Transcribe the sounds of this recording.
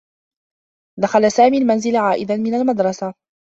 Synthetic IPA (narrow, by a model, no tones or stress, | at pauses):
d̪axalsaːmiːlmanzɪlʕaːʔɪd̪anmɪnalmad̪ɾˤɑsa